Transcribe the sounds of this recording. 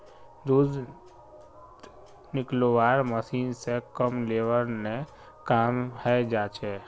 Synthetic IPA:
d̪ud̪ | nɪklowaːɾməsiːnsekəmleːʋəɾne | kaːmhɛd͡ʒaːt͡ʃeː

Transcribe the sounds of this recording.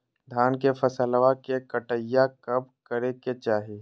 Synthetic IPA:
d̪ʱaːnkefʰɐsəlʋakekəʈəjːakɐb̚kəɾeket͡ʃaːɦeː

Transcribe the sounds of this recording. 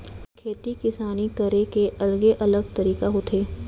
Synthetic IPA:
kʰeːt̪ikɪsaːnikəɾekeʔɐləɡeʔɐləɡt̪ɐɾiːkaɦʊt̪ʰeː

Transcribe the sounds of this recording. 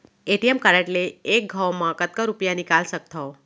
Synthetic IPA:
eʈiemkaɾə̃ʈleek̚ɡʱawmãkət̪̚kəɾupjanikalsək̚t̪ʰəo

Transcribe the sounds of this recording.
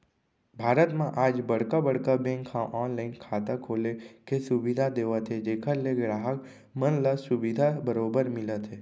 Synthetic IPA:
bʱaːɾət̪mãʔaːd͡ʒbəɽkabəɽkabẽŋkʰːãʔɔːnlainkʰaːt̪akʰoːlekesʊʋid̪ʱad̪eːʋat̪ʰed͡ʒekʰəɾːeɡɾaːɦək | mənləsʊʋid̪ʱabəɾobəɾmɪlət̪ʰe

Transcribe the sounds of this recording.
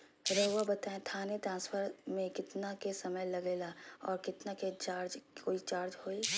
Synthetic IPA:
ɾəɦwabɐt̪aːẽt̪ʰaːnet̪ɾãːnspʰəɾmẽkɪt̪nakesɐməjlɐɡeːlaɔːɾkɪt̪naket͡ʃaːɾd͡ʒkoːit͡ʃaːɾd͡ʒɦoːi

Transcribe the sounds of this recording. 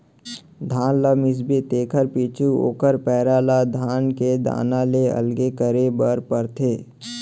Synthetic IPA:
d̪ʱaːnlamɪs̬bet̪eːkʰəɾpiːt͡ʃʰuo̰ːkəɾpɛːɾaːlad̪ʱaːnked̪a̰ːnaːleə̰lɡekəɾebəɾpəɾt̪ʰeː

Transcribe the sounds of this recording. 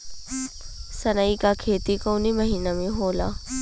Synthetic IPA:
sɐnaikakʰeːt̪ikoːnimɐɦiːnamẽɦoːla̰ː

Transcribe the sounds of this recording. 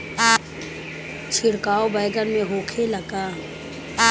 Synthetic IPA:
t͡ʃʰɪɽkaːobəɪɡəɾmẽɦoːkʰelɐɡaː

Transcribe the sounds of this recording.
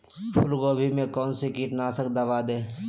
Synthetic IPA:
pʰʊlɡoːbʱimẽkɔːnsikiːʈnaːsək̚d̪ɐʋaːd̪eː

